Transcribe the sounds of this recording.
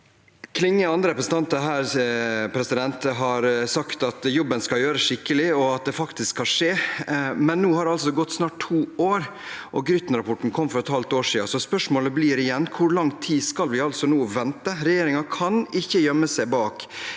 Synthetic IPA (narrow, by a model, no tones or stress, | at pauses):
kʰlɪŋːəɑnd̪ɾəɾɛpɾəsn̩t̪ɑnt̪əɾɦæːɾpʰɾɛsɪd̪ɛnt̪əɦɑɾsɑkt̪ɑt̪jʊbənskɑljøːɾəsʂɪkːəlɪɔɑt̪̚d̪ɛfɑkt̪ɪskʰɑʂeːmɛnːuːhɑɾɑlsɔɡɔt̪ːsnɑːʈ̚t̪ʰːuːoːɾ | ʔɔɡɾʏt̪n̩ɾɑpʰɔʈːn̩kʰɔmːfɔɾɛt̪hɑlt̪oːʂiːɑsɔspœʂmoːləbliːɾɪjɛnːkʰʊɾɭɑŋt̪ʰiːskɑlʋɪɑlsɔnuːʋɛnt̪əɾɛjeːɾɪŋɑkʰɑnɪçːəjœmːəsæɪbɑːk